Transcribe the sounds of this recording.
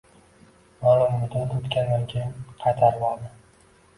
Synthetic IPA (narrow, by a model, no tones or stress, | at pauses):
mɒlˠʊmːʊd̪at̪ot̪kʲand̪ankʲʰejɪnqʰɑjt̪ʰaɾbɒlˠd̪ɪ